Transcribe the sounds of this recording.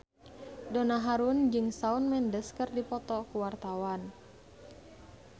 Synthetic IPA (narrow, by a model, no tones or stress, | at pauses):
donaɦaɾund͡ʒɨŋsaunmɛndəskɨrdipɔt̪ɔkuwart̪awan